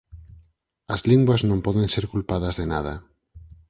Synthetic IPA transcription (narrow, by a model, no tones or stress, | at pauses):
ɐzliŋɡwɐznõmpɔðẽnseɾkulpaðɐzðenað̞ɐ